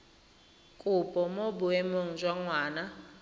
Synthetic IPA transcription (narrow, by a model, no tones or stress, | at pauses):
kʼʊpʼɔmobʊɛmoŋ̩d͡ʒwaŋwaːna